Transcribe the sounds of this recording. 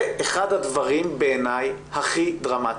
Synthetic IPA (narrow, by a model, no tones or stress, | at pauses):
ʔeχad̪hadvaʁimbeenajhaχid̪ʁama